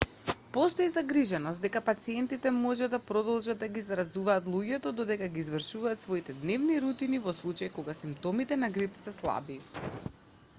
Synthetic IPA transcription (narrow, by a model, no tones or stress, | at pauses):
post̪oizaɡɾiʒɛnɔst̪d̪ɛkapat̪siɛnt̪it̪ɛmɔʒɛd̪apɾɔd̪ɔlˠʒad̪aɡizɾazuvaːt̪lˠuɟɛt̪ɔd̪ɔd̪ɛkaɡiːzvr̩ʃuvaːt̪svoit̪ɛd̪nɛvniɾut̪inivɔslˠut͡ʃajkoɡasimpt̪ɔmit̪ɛnaɡɾipsɛslˠa̰bi